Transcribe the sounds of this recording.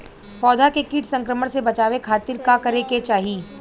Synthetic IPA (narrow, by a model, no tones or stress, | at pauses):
fɔːd̪ʱakekiːʈsɐ̃ŋkɾəməɽsebɐt͡ʃaːʋekʰaːt̪ɪɾkakɐɾeket͡ʃaːɦiː